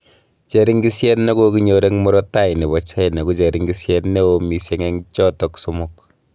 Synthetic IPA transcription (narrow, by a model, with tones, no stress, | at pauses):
t͡ʃe˦ɾi˦ŋɡi˦sjɛ˦tne˦ko˦ki˦ɲo˨ɾe˦ŋmɔ˦ɾɔ˦ta˦i˨ne˨bɔ˨t͡ʃa˦i˨ne˨ku˦t͡ʃe˨ɾi˦ŋɡi˦sjɛ˦tne˦o˦mi˨se˦ŋe˦ŋt͡ʃɔ˦tɔ˨kso˦mo˦k